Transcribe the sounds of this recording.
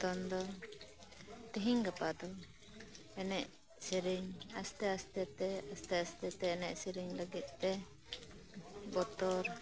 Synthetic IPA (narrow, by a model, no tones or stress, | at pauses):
t̪ɔnd̪ɔ | t̪iɦiŋɡapad̪ɔ | ɛnɛʔ | siɾiŋast̪ɛast̪ɛt̪ɛast̪ɛast̪ɛt̪ɛɛnɛ̰ʔsiɾiŋləɡit̪̚t̪ɛ | bɔt̪ɔɾ